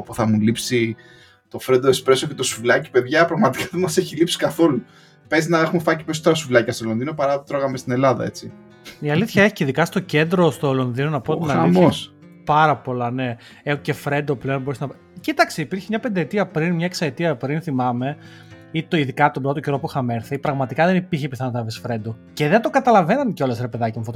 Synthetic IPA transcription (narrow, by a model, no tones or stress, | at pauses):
puθɐmulipsi | t̪o̞fɾend̪oekspɾe̞socet̪o̞suvlɐci̥pe̞ðʝɐpɾɐɣmɐt̪i̥kɐðemɐseçilipsi̥kɐθo̞lu | pe̞zinɐexumefɐciposot̪oɾɐsuvlɐcɐst̪olo̞nðino̞pɐɾɐt̪t̪ɾo̞ɣɐmest̪ine̞lɐðɐ̰e̞t͡si | iɐliθçɐe̞çi̥ceiðikɐst̪oce̞nd̪ɾo̞st̪olo̞nðino̞nɐpot̪inɐlimθoɐs | pɐɾɐpo̞lɐne̞ | eoce̞fɾnd̪ople̞onboɾesnɐ | cit̪ɐkseipiɾçemɲɐpe̞nd̪eet̪iɐpɾinmɲɐeksɐet̪iɐpɾinθimɐme̞ | it̪oiðikɐt̪obɾo̞t̪oceɾo̞puxɐme̞ɾθepɾɐɣmɐt̪ikɐðenipiɾçepiθɐnot̪ɐvisfɾe̞nd̪o̞ce̞ðed̪o̞kɐt̪ɐlɐve̞nɐnceo̞lɐsɾepe̞ðɐcesmefoo